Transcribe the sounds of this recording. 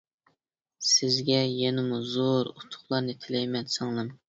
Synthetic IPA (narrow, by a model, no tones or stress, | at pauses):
sɪzɡʲɛjɛnɪmuzoɾut̪ʰʊ̥χlˠɑɾnɨt̪ʰɪlɛjmɛnsɑŋlˠɨm